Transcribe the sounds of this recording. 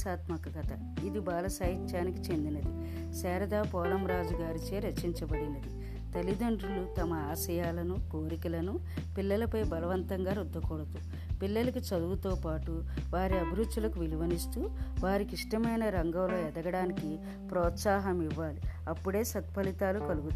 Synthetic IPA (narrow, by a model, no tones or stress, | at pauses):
saːt̪mɐkɐkɐt̪ɐ | id̪ibaːlɐsaːjit͡ʃːaːniki̥t͡ʃe̞nd̪inɐd̪i | sɛːɾɐd̪aːpɔːlɐmɾaːd͡ʒuɡaːɾit͡ʃeːɾɐt͡ʃiɲt͡ʃɐbɐɽinɐd̪i | t̪ɐlid̪ɐɳɖɾulut̪ɐmɐaːsɐjaːlɐnukoːɾikilɐnu | pilːɐlɐpɐjbɐlɐʋɐnt̪ɐŋɡaːɾud̪ːɐkɔːɽɐt̪u | pilːɐlɐkit͡ʃɐd̪uɡut̪oːpaːʈuʋaːɾiɐbʱiɾut̪t͡ʃːulɐkuʋiliʋɐnist̪uːʋaːɾikiʂʈɐmɐjnɐɾɐŋɡɐmlo̞ːɛd̪ɐɡɐɽaːniki | pɾɔːt̪saːɦɐmiʋːaːliɐpːuɽe̞ːsɐt̪pɐlit̪aːlukɐluɡut̪ː